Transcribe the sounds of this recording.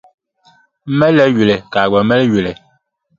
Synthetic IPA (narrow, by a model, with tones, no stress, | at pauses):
mɛ˦lɛ˦ɥe˨le˨ka˨ɡ͡bɔ˨mɛ˦lɥe˨le˨